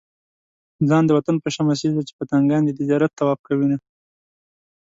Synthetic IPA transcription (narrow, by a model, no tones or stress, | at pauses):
zɑnd̪əwat̪anpəʃamas̬izd̪at͡ʃe̥pət̪aŋɡɑnd̪ət̪ɪd͡ʒɑɾat̪ːawɑb̚kawina